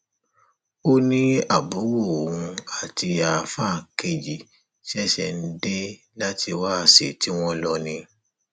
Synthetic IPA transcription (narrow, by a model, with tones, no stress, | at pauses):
o˦nĩ˦a˦˨bu˨˦wo˦˨wũ˧a˨ti˧a˨fa˦˨ke˨d͡ʒi˨ | ʃi˦ɛ˦ʃɛ˨n̩˦de˦ | la˦tʰi˧wa˦a˧˨sḛ˨ti˨˦w̃ɔ̃˦lɔ˦˧nĩ˧